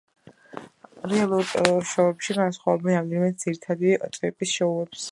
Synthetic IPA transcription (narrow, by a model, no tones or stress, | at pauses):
ɾɛalˠuɾʃɔɛpʃiɡansχwavɔbɛnamd̪imɛt̪̚d̪z̥iɾit̪ʰad̪it̪ʼvɛpʼisʃɔuɛps